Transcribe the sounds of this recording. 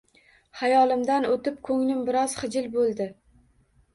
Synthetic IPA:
hajɒlˠɪmd̪anot̪ɪp̚kʰɵŋnɪmbɪɾɒz̥χɨd͡ʒɪlbolˠd̪ɪ

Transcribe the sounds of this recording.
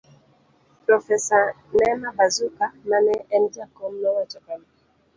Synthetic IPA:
pɾɔfɛsa | nɛmabazukananɛɛnd͡ʒakɔmnɔwat͡ʃɔkam

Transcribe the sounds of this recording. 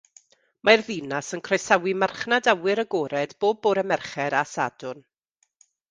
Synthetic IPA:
marðinasənkʰr̥ajsawimarχnadawɪɾəɡoːɾɛdboːb̚ːoːɾɛmɛrχɛɾasa̰dʊn

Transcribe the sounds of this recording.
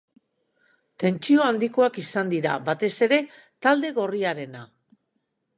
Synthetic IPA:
t̪e̞nt͡ʃio̞and̪iko̞akisand̪iɾa̰βat̪e̞se̞ɾe̞ | t̪ald̪e̞ɣo̞riaɾe̞na

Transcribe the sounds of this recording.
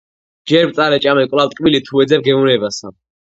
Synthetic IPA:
d͡ʒɛɾpt̪sʼaɾɛt͡ʃʼamɛkʼwlavt̪ʼqʼbilit̪ʰuɛd̪zɛbɡɛunɛbasa

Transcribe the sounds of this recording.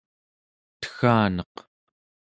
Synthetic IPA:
t̪ə̥xaːnʌq | t

